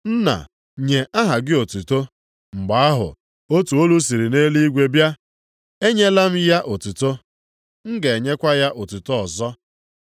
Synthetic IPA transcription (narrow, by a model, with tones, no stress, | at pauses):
n̩˦na̰˨ | ɲe˨ʔa˦ɦa˨ɡɪ˦o˨tu˨to˦ | ŋ͡m̩˨ɡ͡ba˨a˦ɦʊ̰˨ | o˦tu˨o˦lu˦s̬i˨ɾi˨ne˦li˦i˦ɡʷe˦bja˦ | e˦ɲe˦la˦m̩˦ja˦ʔo˨tu˨to˦ | ŋ̩˦ɡe˨e˨ɲe˦kʷa˦ja˦ʔo˨tu˨to˦ɔ˨zɔ˦